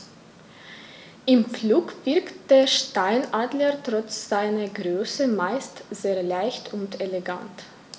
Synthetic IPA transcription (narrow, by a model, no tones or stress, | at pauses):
ʔɪmfluːkv̥ɪɐkt̚d̥eːɐʃtaɪnʔaːdlətʁ̥ɔt͡sz̥aɪnɐɡʁøːsəmaɪstz̥eːɐlaɪçtʰʊnteleɡa̰nt